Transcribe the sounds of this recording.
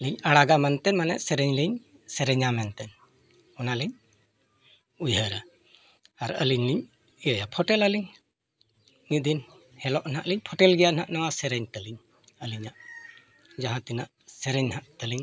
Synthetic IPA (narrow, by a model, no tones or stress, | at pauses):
liɲaɽaɡamɛnt̪ɛnmanɛ̰ʔsɛɾɛɲliɲsɛɾɛɲamɛnt̪ɛn | ɔnaliɲ | ujɦəɾa | aɾə̰liɲliɲ | ijəjapʰɔʈɛləliɲ | nid̪in | hɛlɔʔnaʔliɲpʰɔʈɛlɡɛjaʔnaʔnawasɛɾɛɲt̪əliɲ | əliɲaʔ | d͡ʒaɦãt̪inaʔ | sɛɾɛɲhaʔt̪əliɲ